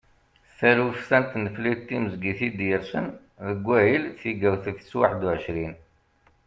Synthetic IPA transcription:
θæluθsænt̪nəflit̪ːiməzɡiθid̪jəɾsən | ðəɡʷːæjilθiɡæwθifə̥swaħəd̪uʕəʃɾin

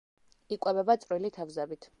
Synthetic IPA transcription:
ikʼwɛbɛbat̪sʼɾwilit̪ʰavzɛbit̪ʰ

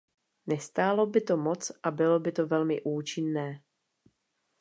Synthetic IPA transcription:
nɛst̪aːlo̞bɪt̪o̞mo̞t͡sʔabɪlo̞bɪt̪o̞vɛlmɪʔuːt͡ʃɪnːɛː

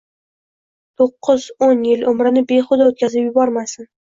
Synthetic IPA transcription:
t̪ʰoqʰːʊzonjɪlʊmɾɪnɪbe̞χʊd̪aot̪̚kʲʰazɪpjʊbɒɾmasɪn

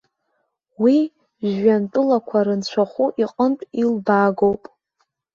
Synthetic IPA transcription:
wi | ʒːantʼɨlakʷʰaɾɨnt͡ɕʷʰaχʷuʔiqʼəntʼilbaɡowpʼ

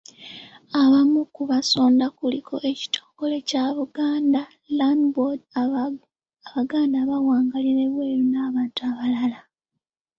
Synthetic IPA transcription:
aβamukuβaso̞ːndakulikʰo̞ʔe̞ci̥tʰo̞̥ːŋɡo̞le̞caβuɡaːnda | landbod | aβaɡaːndaβawaːŋɡaliɾe̞βwe̞ːɾunaːβaːntuaβalala

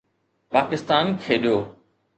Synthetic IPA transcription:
paːkɪst̪aːnkʰeːɗjoː

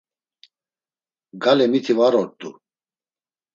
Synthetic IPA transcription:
ɡalɛmit̪ʰivaɾɔɾt̪ʼu

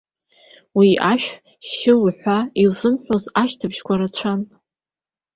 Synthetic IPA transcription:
wiaʃᶣ | ʃɪlħʷailzɨnħʷozaʃtʰɨbʃkʷʰaɾat͡ɕʷʰan

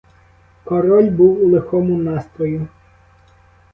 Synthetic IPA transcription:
kɔɾɔlʲbuwulˠɪxɔmʊnɑst̪ɾɔjʊ

